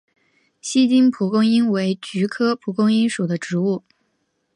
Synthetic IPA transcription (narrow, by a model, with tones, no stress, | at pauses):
ɕi˥t͡ɕi˥npʰu˧˥kʊ˥ŋi˥nwe˧˥ɪt͡ɕy˧˥kʰɤ˥pʰu˧˥kʊ˥ŋi˥nʂu˨˩d̪ə˦ʈ͡ʂɻ̩˧˥u˥˩